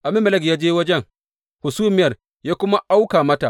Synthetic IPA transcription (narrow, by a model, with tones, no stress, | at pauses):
ʔa˨mɪ˦mːɐ˦lɐ˦kjaː˦d͡ʒeː˦wɐ˦d͡ʒɛ˦ŋ | hʊ˨suː˦mɪ˦jɐ˨r | jaː˦kʷʊ˦ma˦ʔa˦wkaː˨mɐ˦ta̰˨ʔ